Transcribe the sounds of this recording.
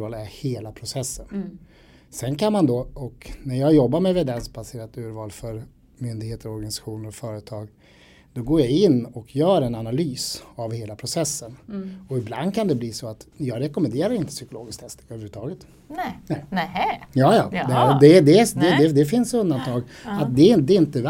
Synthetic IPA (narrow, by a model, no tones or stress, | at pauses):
vɑːlæɾheːlapʰɾʊsɛsːən | sɛnkʰanmand̪ɔɔknæɾjɑːɡjɔbːaɾmɛvɛd̪ɛnsbaseːɾat̪ʉ̟ːɾvɑːlfœɾ | mʏnd̪ɪɡheːt̪əɾɔɾɡanɪsḁɧuːnəɾɔfœːɾət̪ʰɑːɡ | d̪̥ɔɡoːɾjaɪnːɔkʰjœːɾɛnanalyːsavheːlapʰɾʊsɛsːənɔɪbla̰nd̪̚kʰand̪ɛbliːsɔat̪jɑːɡɾɛkɔmɛnd̪eːɾaɾɪnt̪ə̥sʏkʊlo̰ːɡɪskt̪hɛst̪øːvɾʉət̪ʰɑːɡət̪ | ɛ | jɑːjɑ̰ːɑd̪ɛd̪ɛd̪ɛd̪ɛd̪ɛfɪnsɵnd̪ant̪ʰɑːɡ | at̪̚d̪ɛɪnd̪ɛɪnt̪əv